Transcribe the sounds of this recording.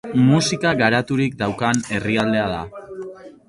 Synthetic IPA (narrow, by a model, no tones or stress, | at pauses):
musikaɣaɾat̪uɾikd̪awkane̞riald̪e̞að̞a̰